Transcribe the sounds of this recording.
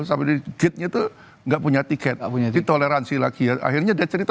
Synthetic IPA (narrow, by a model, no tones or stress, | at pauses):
sampɛdiɡɪt̪̚ɲat̪u | ŋɡaʔpuɲat̪ikɛt̪̚puɲait̪oleɾansila̰kijaʔa̰ɦirɲadiat͡ʃəɾit̪